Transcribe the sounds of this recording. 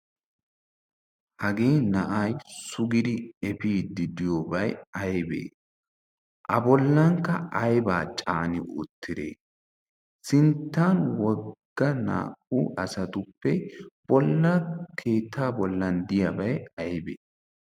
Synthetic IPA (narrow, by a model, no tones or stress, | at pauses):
hɐɡiːnɐʔajsʊɡɪd̪ɪɛpiːd̪ɪd̪ɪjoːbɐjɐjbḛː | ʔɐbɔlːɐŋkːɐʔɐjbaːt͡ʃʼaːnɪʔʊ̰t̪ːɪd̪ḛː | sɪnt̪ːaːnwɔɡɡ̥ːɐna̰ːʔuʔɐsɐt̪ʊpːɛb̥ɔlːɐkʰe̞ːt̪ʰːaːbɔlːɐnd̪ɪjɐbɐjɐjbḛː